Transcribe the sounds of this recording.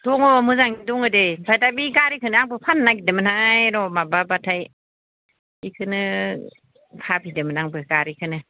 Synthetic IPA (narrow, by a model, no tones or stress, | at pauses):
d̥ɔŋɔmɯzaŋidɔŋɯdebʰajtajbiɡaɾikʰɯnɯaŋbɯpʰanːaɡidɯmɯnhajɾɔmababatʰaj | ikʰɯnɯ | pʰabidɯmɯnaŋbɯɡaɾikʰɯnɯ